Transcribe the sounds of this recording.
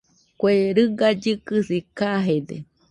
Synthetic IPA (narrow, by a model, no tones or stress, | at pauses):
kʷeɾɨɡad͡ʒɨkɨsikaɦed̪ḛ